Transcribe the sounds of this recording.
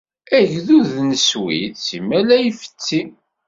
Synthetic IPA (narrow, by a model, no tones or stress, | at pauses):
æʝðuðnəswḭθsimælæjfə̥t͡sːi